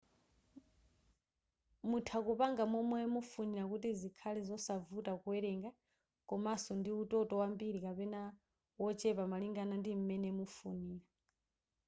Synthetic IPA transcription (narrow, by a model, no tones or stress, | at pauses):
mutʰakupaŋɡamɔmɔɛmufuniɾakutizikʰalɛzɔsavutakuwɛɾɛŋɡa | kʼɔmasɔndiutɔtʼɔwambiɾikapɛna | wɔt͡ʃʼɛpamaliŋɡanandim̩mɛnɛmufuniːɾa